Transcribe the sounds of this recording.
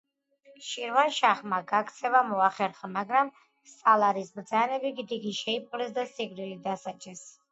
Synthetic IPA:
ʃiɾvanʃaχmaɡakʰt̪sʰɛvamɔaχɛɾχamaɡɾam | st̪ʼalˠaɾisbɾd̪zanɛbiɡid̪iɡiʃɛipʼqʼlɛsd̪asiɡɾilid̪asat͡ʃʼɛs

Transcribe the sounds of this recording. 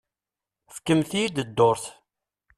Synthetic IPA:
fkːəmθijid̪əd̪ːʊɾθ

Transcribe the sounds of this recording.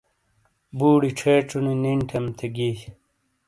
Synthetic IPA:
buːɽiʈ͡ʂʰeːʈ͡ʂuniniɳʈʰemt̪ʰeɡi

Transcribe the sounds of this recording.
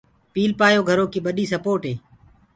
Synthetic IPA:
piːlpaːjoːɡʱəɾoːkiːɓəɗiːsəpoːʈɦeː

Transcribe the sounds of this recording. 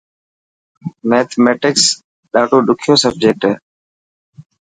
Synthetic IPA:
meːt̪ʰmeːʈɪks | ɗaːʈuːɗʊkʰɪjoːsəb̚d͡ʒeːk̚ʈː

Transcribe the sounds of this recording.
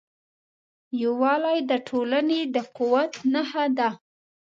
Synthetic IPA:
jawɑlajd̪əʈʰolaned̪əqʊwat̪nahad̪a

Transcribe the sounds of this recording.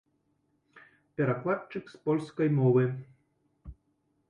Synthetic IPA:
pʲɛɾaklˠat͡ʂɨkspɔlʲskɐjmɔvɨ

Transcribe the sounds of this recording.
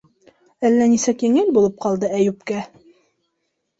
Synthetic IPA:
ælːænisækjɘ̆ŋɘlbulˠɤp̚qɑlˠd̪ɤæjʉpkæ

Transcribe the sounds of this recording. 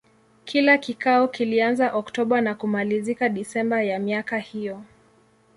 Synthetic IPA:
kʰilakikaɔkilianzaʔɔktɔɓanakumalizikaɗisɛmbajamiakahijɔ

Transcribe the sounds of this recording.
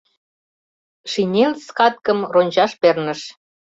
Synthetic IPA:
ʃinʲelskɑt̪̚kə̆mronʲd͡ʑɑʃpernə̆ʃ

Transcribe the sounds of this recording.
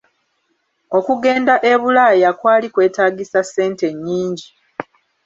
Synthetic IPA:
o̞kuɡe̞ːndaʔe̞βulaːjakwaːlikwe̞ːtaːɡisasːe̞ːnte̞ɲːiːɲɟi

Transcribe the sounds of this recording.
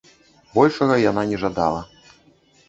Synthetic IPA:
bɔlʲʂɐɣɐjananʲɛʐad̪a̰lˠɐ

